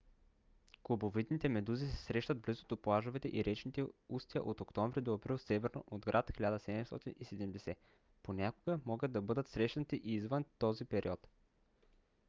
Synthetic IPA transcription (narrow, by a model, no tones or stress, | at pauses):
klˠobovid̪nit̪ɛmɛd̪uzisɛ̥sɾɛʃt̪ɐd̪blizo̥t̪oplˠaʒovɛt̪ɛʔiɾɛt͡ʃnit̪ɛust̪iə̰ʔot̪okt̪ɔɱvɾid̪oɐpɾilˠsɛvɛɾno̰ʔod̪ɡɾʔat̪xilʲad̪əsɛd̪ɛmst̪ɔ̰t̪inisɛd̪ɛmd̪ɛsɛ | ponʲakoɡəmɔɡəd̪ːɐbɤd̪ət̪sɾɛʃnət̪iʔiːzvənt̪ɔzipɛɾḭɔt̪